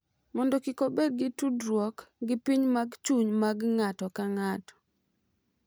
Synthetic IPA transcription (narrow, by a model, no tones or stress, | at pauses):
mɔndɔkɪkobeɡɪtudɾwɔkɡɪpiɲmaɡt͡ʃuɲmaɡŋatɔkaŋatɔ̥